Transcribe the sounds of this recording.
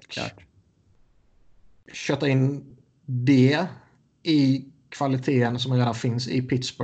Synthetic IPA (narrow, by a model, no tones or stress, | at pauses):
ɕœːt̪ːaɪnː | d̪ɛ | ɪkʰvalɪt̪ʰeːənsɔmɾeːd̪anfɪnsɪ̰pʰɪt̪sbɔ